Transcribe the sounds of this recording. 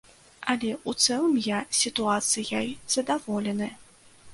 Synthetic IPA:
ɐlʲɛut̪sɛlˠɨmjasʲit̪uat̪sɨjajz̥ɐd̪avɔlʲɛnɨ

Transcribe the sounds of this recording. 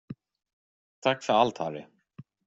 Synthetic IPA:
t̪ʰakːfɛɾalt̪haːɾɪ̰

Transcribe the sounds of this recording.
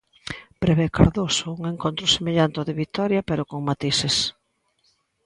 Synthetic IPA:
pɾeβekaɾðosouŋeŋkont̪ɾʊsemeʎant̪ʊðɪβit̪ɔɾjapeɾokoŋmat̪ises

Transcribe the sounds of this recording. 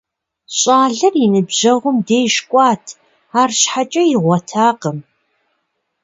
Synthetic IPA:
ɕʼaːɮɨrjinɨbʑɐʁʷʊmdeːjʃkʷʼɑːtʰ | aːrɕħat͡ʃʼɐjɪʁʷɔtʰaːqəm

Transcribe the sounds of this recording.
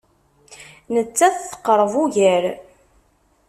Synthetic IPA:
nət͡sːæθθə̥qːɾˤəvuʝəɾ

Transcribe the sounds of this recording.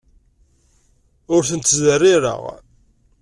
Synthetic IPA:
ʊɾθənt̪ːzərːɪɾə̰ʁ

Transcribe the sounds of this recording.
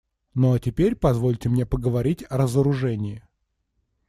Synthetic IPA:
notʲɪpʲeɾʲpɐzvo̞lʲtʲɪmnʲe̞pəɡəvɐɾʲitʲɐɾəzəɾʊʐɛnʲɪɪ

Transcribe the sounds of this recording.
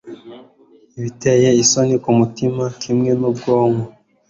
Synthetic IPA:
iβitejeisonikumutimakʰimŋe̞nubɡoːŋo

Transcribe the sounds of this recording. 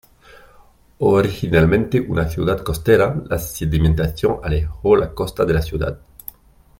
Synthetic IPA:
oɾixinalmẽnt̪eʔunaθjuðad̪kost̪eɾalasid̪imẽnt̪aθjoŋalexolakost̪aðelasjuða̰d̪

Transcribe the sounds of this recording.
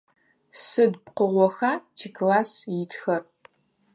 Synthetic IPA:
sɨdpqəʁʷɔxaːtʰikʰlaːsjɪtxɐr

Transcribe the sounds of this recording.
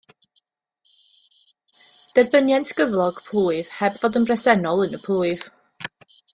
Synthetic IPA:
d̥ɛrbənjɛntʰɡ̥əvlˠɔɡ̥pʰlˠuːɨv̥hɛbvɔdənrɛsɛnɔlˠənəpʰlˠuːɨv̥

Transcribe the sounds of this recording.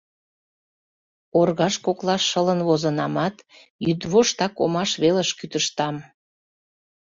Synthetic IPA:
orɣɑʃkoklɑʃːələnβozənɑmɑt̪ | jyd̪βoʃt̪ɑko̰mɑʃβeləʃkyt̪əʃt̪ɑm

